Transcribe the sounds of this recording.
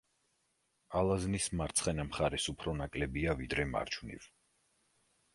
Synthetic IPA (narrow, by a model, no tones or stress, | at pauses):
alˠaznismaɾt̪sʰχɛnamχaɾɛsupʰɾɔnakʼlɛbiavid̪ɾɛma̰ɾt͡ʃʰwnḭv